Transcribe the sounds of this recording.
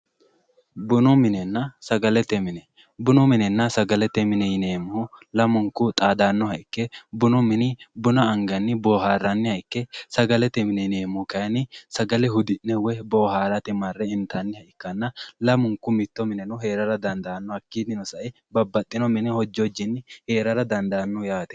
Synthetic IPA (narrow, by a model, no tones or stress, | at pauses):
bʊnɔmɪnɛnːɐsɐɡɐlɛt̪ːɛmɪnɛ | bʊnɔmɪnɛnːɐsɐɡɐlɛt̪ːɛmɪnɛjɪneːmʊhʊlɐmʊŋkʊt̪ʼaːd̪aːnːɔhɐʔɪkːɛbʊnɔmɪnɪbʊnɐːŋɡɐnːɪboːɦaːrːɐnːɪhɐʔɪkːɛsɐɡɐlɛt̪ːɛmɪnɛneːmʊkɐjɐnɪsɐɡɐlɛɦʊd̪ɪnːɛwɛboːhaːɾɐt̪ɪmɐrːɛɪnt̪anːɪhɐʔɪkːɐnːɐlɐmʊŋkːʊmɪt̪ːɔmɪnɛnʊhe̞ːɾɐɾɐd̪ɐnd̪aːnːɔhɐkːiːd̪ɪnɔsɐʔɪ | bɐbːɐt̪ʼːɪnɔmɪnɪhɔd͡ʒːɔd͡ʒːɪnːɪhe̞ːɾɐɾɐd̪ɐnd̪ɐnːɔjaːt̪ɛ̥